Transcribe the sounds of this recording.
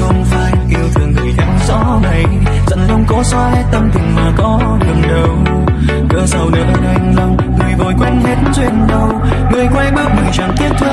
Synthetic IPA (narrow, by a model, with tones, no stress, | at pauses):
xə˧wŋ͡mfa̰ː˧˨jki˧əwt̪ʰɨ˨˩əŋːɨ˨˩əjt̪ʰa˨˦jŋ̟zɔ̰˧˥na˨˩j | zə̰˧˥nkə˧wŋ͡mkɔ˨˦sɔ˧˦hɛ˨˦t̪ə˧mt̪ʰï˨˩ŋ̟maː˨˩kɔ˨˦ | ɗɨ˨˩ŋɗə˨˩w | kɨ̰˧˥sa˧wɗə˨˦ʔəː˧nʔa˧jŋ̟lə˧wŋ͡m | ŋɨ˨˩əjvɔ˨˩jkwɛ˧ŋhe˨˦˥t̚nt͡ɕwe˧nɗə˧w | ŋɨ˨˩əjkwa˧jɓəː˦˥p̚ŋɨ˨˩jt͡ɕa˨˩nt̪i˦˥ət̚t̪ʰə˧˥